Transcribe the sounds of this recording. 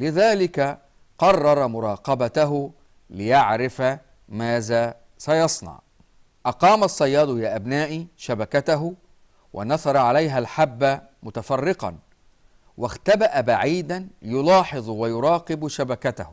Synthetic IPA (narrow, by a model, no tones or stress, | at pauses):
lɪðaːlɪka | qɑrˤːɑɾˤɑmʊɾˤɑːqɑbat̪aɦʊ | lɪjaʕɾɪfa | maːðaː | sajɑsˤnɑ̰ʕ | ʔɑqɑːmasˤːɑjːɑːd̪ˤjaːʔabnaːʔiʃabakat̪aɦʊ | wʔa̰nɑθɑɾˤɑʕalajɦalħabːa | mʊt̪afɑrːɪqɑ̰n | waxt̪abaʔabaʕiːd̪anjʊlɑːħɨðˤwajʊɾˤɑːqɪbʃabakat̪ahʊ